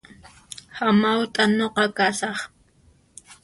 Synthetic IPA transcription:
hamawt̪ʼanoqɑkasɑχ

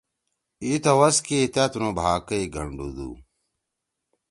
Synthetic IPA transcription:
it̪ɐwɐskit̪ɐt̪unobʱaːkɐiɡʱɐɳɖud̪ṵ

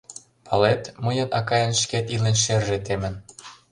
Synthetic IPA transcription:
pʰɑlet̪mɤjɤ̆nɑkɑjɤ̆nʃket̪ilenʃerʒet̪emə̆n

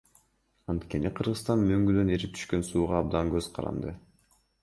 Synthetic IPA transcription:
ɑnt̪ke̞niqʰɯɾʁɯst̪ɑnmøŋɡyd̪ø̞neɾip̚t̪ʰy̥ʃkø̞nsuːʁɑɑb̚d̪ɑŋɡø̞z̥qʰɑ̰ɾɑ̰nd̪ɯ

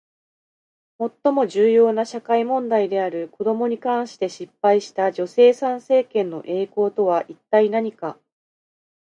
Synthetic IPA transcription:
mo̞t̪ːo̞mo̞ʑɨːjo̞ːnaɕakaimõ̞nd̪aid̪e̞aɾɯ̟ko̞d̪o̞mo̞ɲ̟ikãɰ̃ɕi̥t̪e̞ɕipːaiɕi̥t̪aʑd͡ʑo̞se̞ːsãɰ̃se̞ːkẽ̞nːo̞ʔe̞ːko̞ːt̪o̞βaʔit̪ːainaɲ̟ika

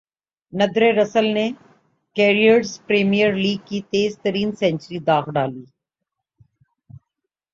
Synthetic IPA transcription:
nɐd̪ɾeɾəsəlne | keːɾiəɾspɾeːmijəɾliːɡ̚kit̪eːzt̪əɾiːnsɛ̃nt͡ʃɾid̪aːɣɖaːliː

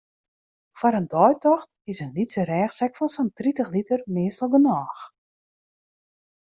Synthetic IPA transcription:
fɔɾəndɔjtɔxt | ɪsənlitsəɾɛːxsɛkfɔnsɔntritəxlitərmɪəstəlˠɡənɔːx

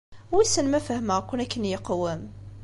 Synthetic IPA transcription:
wisənmæfəhməʁkʷːʊnækːənjəqwəm

